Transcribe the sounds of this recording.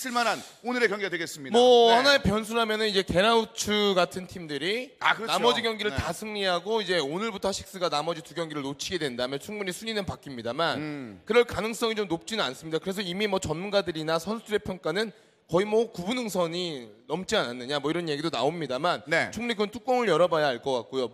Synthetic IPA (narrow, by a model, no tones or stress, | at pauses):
t͡ɕʰiɭmanan | onɯɾekjʌŋɡeadweɡes͈ɯmɲidmʌhanaepjʌnsʰuɾɦamjʌnɯnid͡ʑe̞ke̞ɾaut͡ɕʰɯɡatʰɯntʰimdɯɾia̰kɯɾʌnamʌd͡ʑiɡjʌŋɡiɾɯɭtasʰɯŋɲiɦaɡoid͡ʑe̞onɯɭbutʰʌɕʰi̥k̚s͈ɯɡanamʌd͡ʑituɡjʌŋɡiɾɯɭnot͡ɕʰiɡe̞dwendaɯmjʌnt͡ɕʰuŋbuɲisʰuɲinɯnpak͈imɲidamankɯɾʌɭkanɯŋs͈ʌŋit͡ɕomnop̚t͡ɕ͈inɯnans͈ɯmɲidakɯɾe̞s̬ʰʌimimwʌt͡ɕʌnmunɡadɯɾinasʰʌnsʰuduɾe̞pʰjʌŋk͈anɯn | kʌimʌkubunɦɯŋsʰʌɲinʌmt͡ɕ͈iananːɯɲamwʌiɾʌnjeɡidona̰omɲidamannet͡ɕʰoŋɲikʌntʰuk͈ʌŋɯɭjʌɾʌbajaɦaɭk͈ʌk͈ak̚k͈ojo